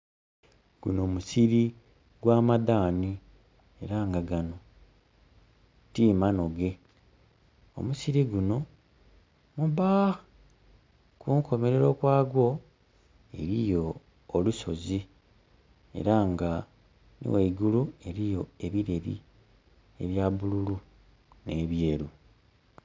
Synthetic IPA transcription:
ɡ̥uno̞ːmusiɾi | ɡwaːmadaːni | e̞ɾaŋɡaɡano̞ | tiːmano̞ɡe̞ | o̰musiɾiɡuno̞ | muba | kuŋko̞me̞ɾe̞ɾo̞kwaːɡwo̞ | e̞ɾijo̞ː | luso̞zi | e̞̰ɾaŋɡa | nḭweiɡulue̞ɾijo̞e̞βiɾe̞βḭ | e̞̰βjaβululu | ne̞ːβje̞ːɾu

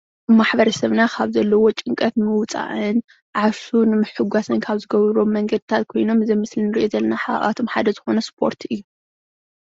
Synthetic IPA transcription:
maħbɐɾɐsɐβnakʰaβzɐlːɐwot͡ʃʼɨŋkʼɐt̪mɨwt͡sʼa̰ʔɨn | ʕaʃunɨmɨħɨɡʷasɨnkʰaβzɨɡɐβɾo̞mːɐŋɡɐd̪ɨt̪ʰat̪̚kʰo̞jno̞mɨzɐjmɨslɨnɨɾiʔezɐlːɐnaħa̰ʔa̰t̪ʰo̞mħad̪ɐzɨxo̞nɐspʰo̞ɾt̪ʰɨjːu

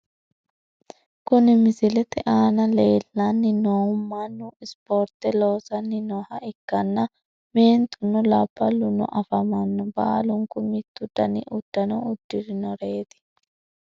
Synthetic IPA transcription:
kʊnɪmɪsɪlɛt̪ɛʔaːnɐle̞ːlːɐnːɪnoːmːanːʊɪspoːɾt̪ɛloːsɐnːɪnɔhɐɪkːɐnːɐ | meːnt̪ʊnːʊlɐb̥ːɐlʊnɔ̰ʔɐfɐmɐnːɔba̰ːlʊŋkʊmɪt̪ːʊd̪ɐnḭʔʊd̪̥ːɐnɔʊd̪ːɪɾɪnɔɾe̞ːt̪ɪ̥

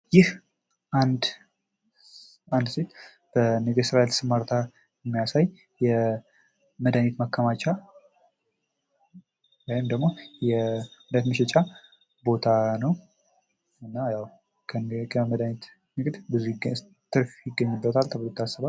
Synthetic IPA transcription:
jɪh | ʔand̪ | and̪set̪ | b̥ənɨɡəsɨɾaelsɨmaɾt̪ʰa | jɛmːijasaj | jɛ | məd̪anet̪makːəmat͡ʃʼa | wajɪmd̪əɡmo̞jɛməd̪anet̪məʃɛt͡ʃʼa | bo̞t̪ʰanəw | ɨnːajawʰ | əməd̪anet̪ | nɨɡd̪bɨzu | t̪ʰːɨɾfjɪɡːəɲːɨbːət̪ʰalt̪ʰəβlot̪ʰːasːɨβal

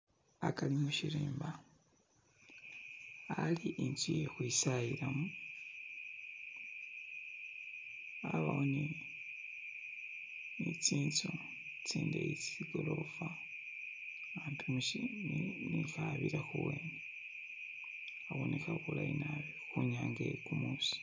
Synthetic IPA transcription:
akalimuʃiɾiːmba | aliʔint͡sijexwisajiɾamu | aβahoni | nit͡siːnt͡su | t͡siːndeit͡siɡolofa | aːntumuʃinixaβiɾaxuweːne | aɣonixaβulaina | xuɲaːŋɡekumuːsi̥

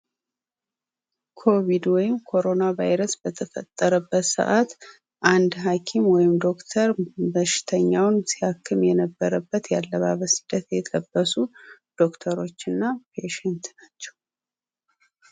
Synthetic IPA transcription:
kʰo̞βid̪wɔjɪmkʰo̞ɾo̞nava̰jɾəsb̥ət̪ʰəfə̰t̪ʼːəɾəbːət̪sə̰ʔat̪ | ʔand̪ɦakʰimwɔjɪmd̪o̞kt̪ʰəɾbəʃɪ̥t̪ʰəɲːawnsiakʰːɨmjɛnəbːəɾəbːət̪jalːəβa̰βəsɨ̥d̪̥ːət̪jɛt̪ʼəbːəsud̪̥o̞kt̪ʰəɾo̞t͡ʃːɨnːapʰeʃɛnt̪nat͡ʃːɛ̥w

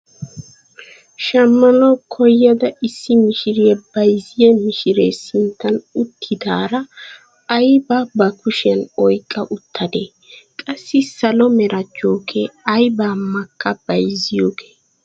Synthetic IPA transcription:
ʃɐmːɐnɔkʰɔjːɐd̪ɐʔɪsːɪmɪʃɪɾɪjɛbɐjzɪjɐmɪʃɪɾeːsɪnt̪ːɐnʊt̪ʰːɪd̪aːɾɐː | jbabɐkʊʃɪjɐnɔjkʼːɐʔʊt̪ːɐd̪eː | kʼɐsːɪsɐlɔmɛɾɐt͡ʃːoːkeɐjbaːmːɐkʰːɐb̥ɐjzɪjoːɡe̥ː

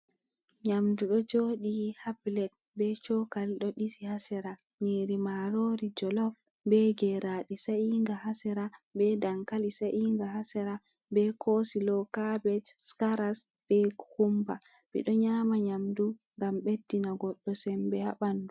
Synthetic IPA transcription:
ɲamduɗɔd͡ʒoɗihablɛd̚ | bɛt͡ʃɔkalɗɔɗisihasɛɾa | ɲiːɾimaɾoɾid͡ʒɔlɔf | bɛɡɛɾaɗisaʔiŋɡahasɛɾabɛdaŋkalisaʔiŋɡahasɛɾa | bɛkʰosilɔkabɛtskaɾas | b̥ɛɡhumba | bḭɗɔɲaːmaɲamduŋɡamɓedːinaɡɔɗːɔsɛmbɛha̰ɓandu

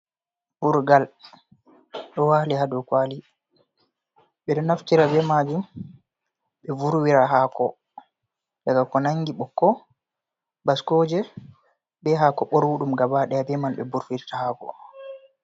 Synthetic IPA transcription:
buɾɡal | ɗɔwaliɦadukwali | ɓɛɗɔnaftiɾabɛmaːd͡ʒum | ɓɛvuɾwiɾaɦakɔ | daɡakɔnaŋɡiɓɔkːɔ | baskɔːd͡ʒɛ | bɛɦakɔɓɔɾwuɗumɡabaɗɛabɛmanɓɛbuɾwiɾtahaːkɔ̰

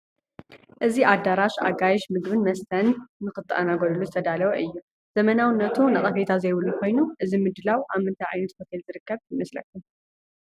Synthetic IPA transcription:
ʔɨziʔad̪ːaɾaʃa̰ɡajʃmɨɡβɨnmɐst̪ʰɐnːɨkɨt̪ʼːʔɐnaɡoɾuluzɨt̪ʰɐd̪alɐwɐʔɨjːu | z̥ɐmɐnawɨnːɐt̪ʰunɐχʼɐfet̪ʰazɐjβɨlːukʰo̞jnuʔɨzimɨd̪ɨlawʔamɨnt̪ʰajʔa̰jnɐt̪fɐt̪ʰelzɨɾɨkːɐβjɪmɐslɐ̰kːum

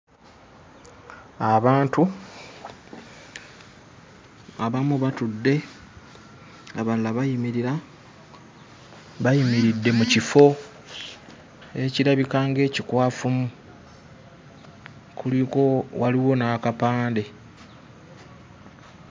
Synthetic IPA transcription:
aβaːntu | aβamuβatudːe̞ | aβalaβajimiɾiɾa | βajimiɾidːe̞mucifo̞ | e̞ciɾaβikaːŋɡe̞ːcikwaːfumu | kʰuliko̞waliwo̞nakapaːnde̞

